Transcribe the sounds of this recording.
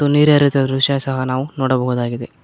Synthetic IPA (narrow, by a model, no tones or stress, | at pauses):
uniːɾjaːɾit̪ijod̪ɾuʂjɐsɐɦɐnaːʋunoːɽɐbɐɦuːd̪aːɡid̪e